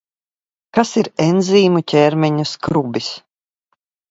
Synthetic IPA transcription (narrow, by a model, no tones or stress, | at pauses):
kasiɾɛnziːmucʲɛːɾmʲɛɲuskɾubis